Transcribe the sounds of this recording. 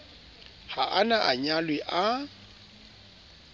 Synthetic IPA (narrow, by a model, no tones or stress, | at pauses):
haʔanaʔaɲalwɪʔa